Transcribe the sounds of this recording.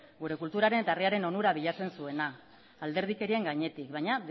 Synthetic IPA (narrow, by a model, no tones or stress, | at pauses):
ɡuɾe̞kult̪uɾaɾe̞net̪ariaɾe̞no̞nuɾaβiʎat͡se̞nsue̞naː | ld̪e̞ɾð̞ike̞ɾie̞ŋɡaɲe̞t̪ikbajɲa